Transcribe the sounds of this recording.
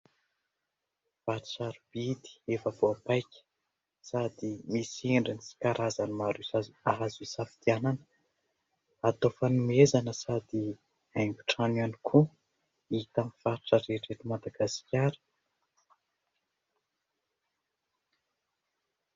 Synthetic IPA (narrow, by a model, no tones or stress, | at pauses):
v̥aʈ͡ʂu̥saɾubid̪i̥efəvoapajkʲə̥ | sad̪imisiɳɖ͡ʐinisi̥kaɾʔazanimaɾuaaɦazisafi̥t̪iananə̥ | at̪ofanumezanəsad̪i | aŋɡʲu̥ʈ͡ʂananikʰu | it̪amifaɾʈ͡ʂəɾeʈ͡ʂeʈ͡ʂumad̪aɡaskʲaɾə̥